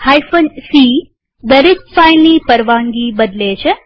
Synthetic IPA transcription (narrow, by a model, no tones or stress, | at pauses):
hajfənsi | d̪əɾek̚fajnliːpəɾʋãŋɡiːbəd̪let͡ɕe